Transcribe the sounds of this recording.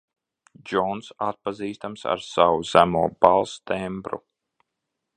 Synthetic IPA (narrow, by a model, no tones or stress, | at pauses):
d͡ʒɔnsat̪̚paziːst̪amsa̰ɾsawuz̥æmuɔb̥alˠst̪ɛmbɾṵ